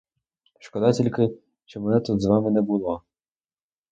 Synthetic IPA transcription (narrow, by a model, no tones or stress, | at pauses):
ʃkɔd̪ɑtʲilʲkɪ | ʃt͡ʃɔmɛnɛt̪ud̪zʋɑmɪnɛbʊlˠɔ